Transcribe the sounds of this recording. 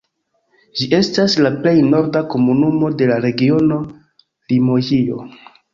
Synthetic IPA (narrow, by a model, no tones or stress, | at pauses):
d͡ʒiʔe̞staslaple̞jno̞ɾdako̞munumo̞de̞laɾe̞ɡio̞no̞ | limo̞jio̞̰